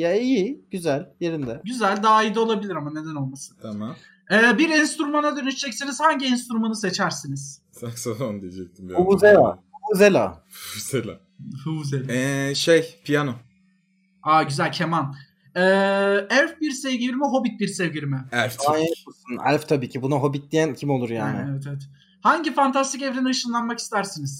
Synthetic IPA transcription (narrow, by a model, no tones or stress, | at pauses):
jaijiɟyzælʲjeɾind̪ɛɟyzælʲd̪aːid̪ɛo̞lˠabilʲiɾamane̞d̪æno̞lˠmasɯnt̪ʰamam | ɛːbiɾɛnst̪ɾumanad̪ø̞nyʃd͡ʒɛcsiniz̥haɲɟiɛnst̪ɾumanɯse̞t͡ʃʰæɾsiniz̥ | saksafond̪ijed͡ʒɛc̚t̪ʰind̪uuzela̰huvuzelʲa̰ | ɯuzelʲa̰ | huuzelʲɛʃejpʰijano | aːɟyzælʲcʰeman | ɛːælʲfbiɾsevɟiiɾmɛɦo̞bit̪̚biɾsevɟiɾimɛæɾfaaʃusunæ̰lʲft̪ʰabiːcʰibunaɦo̞bit̪̚d̪ijæncʰimo̞lˠuɾjaːnɪevɛt̪ʰeɛt̪ | haɲɟifant̪ʰast̪ʰicevɾiniɯʃɯnlˠanmaki̥st̪ʰæɾsiniz̥